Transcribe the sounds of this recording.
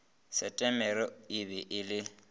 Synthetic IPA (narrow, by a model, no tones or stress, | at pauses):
sɛtʼɛmɛɾɔɪbɛʔɪlɪ